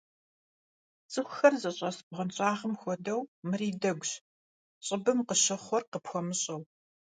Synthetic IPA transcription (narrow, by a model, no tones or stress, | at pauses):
t͡sʼɨxʷʊxɐrzɐɕʼɐsbʁɐnt͡ɕʼaːʁəmxʷɔdɐwmɨriːdɐɡʷɕ | ɕʼɪbɨmqəɕɐχʷɔrqəpxʷɔmɨɕʼɐw